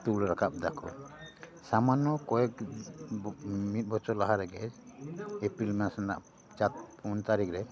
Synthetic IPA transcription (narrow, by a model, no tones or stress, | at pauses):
t̪ulɾakʰap̚d̪akʰɔ | samanːɔkɔɛk̚ | mit̪̚bɔt͡ʃɔlaɦaɾɛɡɛ | epɾilmɛasanda̰ʔ | t͡ʃat̪̚pʰunt̪aɾikʰɾɛ